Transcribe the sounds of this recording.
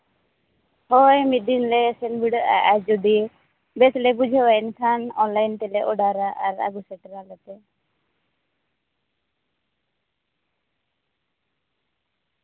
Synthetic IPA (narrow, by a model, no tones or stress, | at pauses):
hɔjmid̪inlɛsɛnbiɽɔɾa̰ʔad͡ʒud̪i | bɛt̪lɛbud͡ʒʱɛwaɛnkʰanɔnlajnʈ̪ɛlɛʔɔɖaɾaʔaɾa̰ɡusɛʈɾalɛt̪ɛ